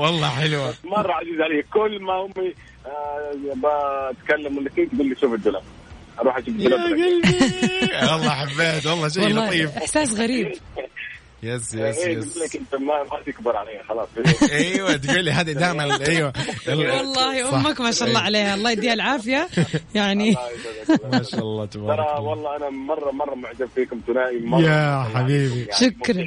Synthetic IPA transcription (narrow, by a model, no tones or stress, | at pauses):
wɑlˤːɑːħɪlwamɑrˤːɑʕaziːzʕalejːakʊlːmahʊmːi | bat̪kalːamɪnːakiːk̪bɪlːiʃuːfɪd̪ːʊlab | ʔɑɾˤuːħʔaʃuːfd̪lablalː | wɑlːˤɑːħabːaht̪wɑlˤːɑːʃ̬alːɑːt̪ˤiːfɪħsaːs̬ɣæɾiːb | jasjʔeːulakɪnt̪ːamat̪ɪkbɪɾˤʕalejhaxɑlɑːsˤiʔajwat̪ɡuːliɦaːd̪id̪aːmalʔajwaʔlwɑlˤːɑːhjʔʊmːakmaːʃaʔɑlˤːɑːʕaleːhaɑlːˤɑːhd̪iːhalʕaːfɪjajaʕni | maːʃaʔɑlˤːɑːt̪bɑɑɾˤɑwɑlˤːɑːʔanamɑrˤːɑmɑrˤːɑmʊʕd͡ʒabfiːkʊmt̪ʊnaːʔimɑjaħabiːbiʃʊkɾˤ